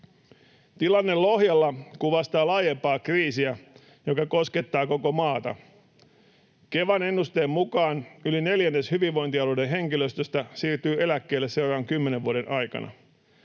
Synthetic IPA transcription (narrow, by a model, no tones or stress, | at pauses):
t̪ilɑnːello̞hjɑlːɑkuʋɑst̪ɑːlɑːjempɑːkriːsiæ | jokɑko̞ske̞t̪ːɑːko̞ko̞mɑːt̪ɑ̰ | ke̞ʋɑne̞nːust̪eːmmukɑːnyline̞ljænːeshyʋiʋːo̞jnt̪iɑlude̞ɦe̞ŋkiløst̪øst̪æsiːrt̪yːʔe̞lækːe̞ːlːese̞wrɑʋɑŋkymːe̞neʋʋuoɾe̞nʔɑjkɑ̰nɑ̰